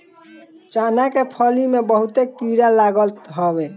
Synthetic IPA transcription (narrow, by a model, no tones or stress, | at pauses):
t͡ʃanakepʰəlimebəɦut̪ekiɾalaɡəlt̪ɦɔbe